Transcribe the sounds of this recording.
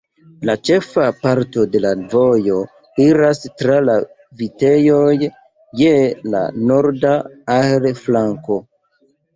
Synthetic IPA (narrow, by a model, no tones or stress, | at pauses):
lat͡ʃe̞fapaɾto̞de̞lavo̞jo̞ | iɾastɾala | vite̞jo̞j | jela̰no̞ɾdaalflaŋko̞